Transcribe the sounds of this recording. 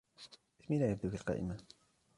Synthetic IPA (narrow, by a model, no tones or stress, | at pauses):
ʔɪsmiːlaːjab̚d̪uːkalqɑ̰ːʔɪ̰ma